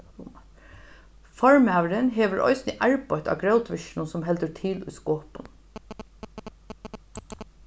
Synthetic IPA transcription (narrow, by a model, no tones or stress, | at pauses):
fɔɹmæːʋəɾənɦeːʋəɹʔɔ̰ʏsnəʔæɹbɔɪt̪ɑ̰ːɡɹœʊt̪ʋɪʃnʊnsɔmɦɛld̪əɹt̪ʰɪlʊ̰jskoːpʊn